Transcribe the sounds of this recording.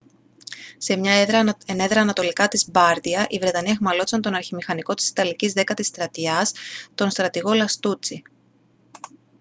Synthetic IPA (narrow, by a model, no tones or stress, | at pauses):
se̞mɲɐeneðɾɐːnɐt̪o̞likɐt̪izbɐɾt̪iɐʔivɾe̞t̪ɐnieɣmɐlo̞t̪i̥sɐnt̪o̞nɐɾçimixɐniko̞t̪i̥si̥t̪ɐlicizðe̞kɐt̪ist̪ɾɐt̪iɐst̪o̞nst̪ɾɐt̪iɣo̞lɐst̪ut͡si